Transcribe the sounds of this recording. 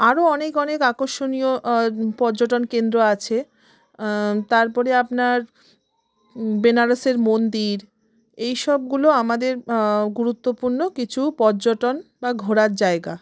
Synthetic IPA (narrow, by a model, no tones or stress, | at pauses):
aɾoɔnekɔnekakoʃonijopɔɾd͡ʑoʈonkend̪ɾoat͡ɕʰe | t̪aɾpɔɾeapnaɾ | benaɾoseɾmond̪iɾ | ejʃɔb̚ɡuloamad̪eɾɡuɾut̪ːopuɾnokit͡ɕʰupɔɾd͡ʑoʈonbaɡʱoɾaɾd͡ʑaeɡa